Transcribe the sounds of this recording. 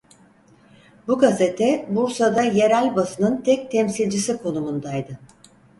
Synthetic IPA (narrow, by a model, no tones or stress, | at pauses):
buɡazet̪ʰɛbuɾsad̪aje̞ɾælʲbasɯnɯnt̪ʰɛc̚t̪ʰɛmsilʲd͡ʒisikʰo̞numund̪ajd̪ɯ